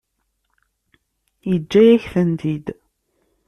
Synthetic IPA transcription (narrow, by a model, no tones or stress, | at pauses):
jəd͡ʒːæjæçθənd̪id̪